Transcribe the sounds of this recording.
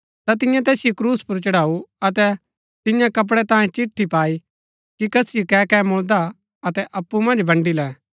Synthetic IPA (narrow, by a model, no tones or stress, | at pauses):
t̪at̪̬ɪ̃jãt̪ɛːsɪjokɾuːspʊɾt͡ʃɐɽaːuɐt̪ɛ | t̪ɪjãkɐp̬ɽɛt̪ãːẽt͡ʃɪʈt̪ʰːipaːi | kikɐsɪjokɛkɛmʊld̪a | ɐt̪ɛʔɐpːumɐ̃nd͡ʒbʱɐ̃ɳɖilɛː